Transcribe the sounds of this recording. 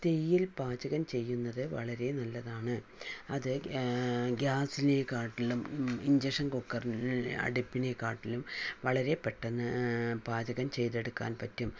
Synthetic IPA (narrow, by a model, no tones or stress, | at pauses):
t̪e̞jːilpaːd͡ʑɐɣɐmt͡ɕe̞jːunːɐðɨʋɐɭɐɾe̞nɐlːɐðaːɳɨ | ɐðɨ | ɡaːsile̞kaːrʈːilumiɲd͡ʑeʂɐnkokːɐrnɐ̰ɽipːine̞kaːrʈːilumʋɐɭɐɾe̞peʈːɐnːɨpaːd͡ʑɐɣɐmt͡ɕe̞jt̪e̞ɽukːa̰ːnpɐtːum